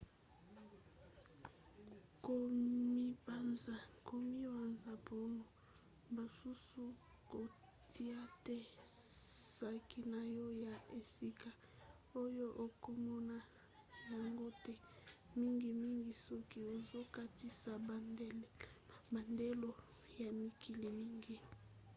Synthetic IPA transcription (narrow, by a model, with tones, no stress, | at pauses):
ko˨mi˦ba˨nza˨ko˨mi˦wa˨nza˨pʰo˦no˨ | ba˨su˦su˦ | ko˨ | tʰi˦a˦tɛ˦ | sa˦ki˦na˨jɔ˦ja˨e˨si˦ka˨ | o˦jo˦ʔo˨ko˦mɔ˦na˦ | ja˨ŋɡo˦tɛ˦ | mi˦ŋɡi˨mi˦ŋɡi˨sɔ˦ki˦o˨zo˦ka˦ti˦sa˨ba˨ndlba˨nde˦lo˦ | ja˨mi˨kʰi˨li˨mi˦ŋɡi˨